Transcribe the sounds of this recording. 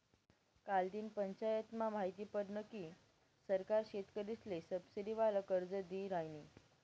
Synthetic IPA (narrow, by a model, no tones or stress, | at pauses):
kald̪iːnpəɲt͡ɕajət̪mamaɦit̪iːpəɾnəkiː | səɾkaɾɕet̪kəɾislesəbsiɾiʋaləkəɾd͡zəd̪iːɾajni